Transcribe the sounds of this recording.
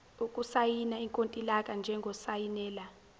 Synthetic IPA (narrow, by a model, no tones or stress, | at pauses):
ukʼusajinaiŋkʼontʼilakʼand͡ʒʱɛŋɡʱɔsajinɛːla